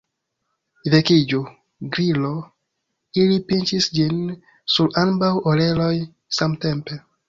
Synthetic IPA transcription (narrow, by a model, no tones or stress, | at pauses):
vekid͡ʒo | ɡɾilo | ilipint͡ʃisd͡ʒin | suɾambawoleloj | samte̞mpe̞